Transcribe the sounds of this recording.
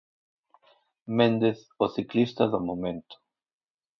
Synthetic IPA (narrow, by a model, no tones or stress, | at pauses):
mẽnd̪eθ | oθiklist̪aðomomẽnt̪ʊ̥